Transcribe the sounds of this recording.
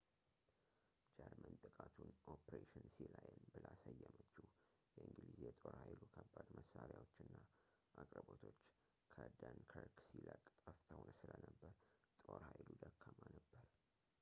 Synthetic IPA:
d͡ʒəɾmənt̪ʼɨkʼat̪ʰunʔopʰɾeʃɪnsilajənbɨlasəjːɛmət͡ʃːu | jɛʔɨŋɡlizjɛt̪ʼo̞ɾhajlukʰəbːad̪məsːaɾjawot͡ʃːɨnːa | ʔakʼɾəbo̞t̪ʰo̞t͡ʃː | kʰəd̪ənkʰəɾksiləkʼt̪ʼəft̪ʰawnsɨlənəbːəɾt̪ʼoɾhajlud̪əkʰːəmanəbːəɾ

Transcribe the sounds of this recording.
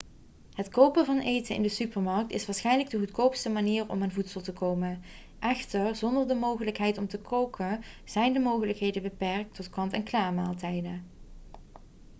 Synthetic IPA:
ɦətkowpəvɑnejtənɪ̰ndəsypəɹmɑɹk̚tɪsʋaːɹsχɛjnləɡ̚dəɣutkowpstəmaniːrɔ̰maːnvutsəlˠtəkowmə | ʔɛxtəɹzɔndəɹdəmowχələkɦɛjtɔmtəkʰowkəz̥ɛjndəmowχələkɦejdəbəpɛrk̚tɔtkɑntɛnklaːma̰ːlˠtɛjdə

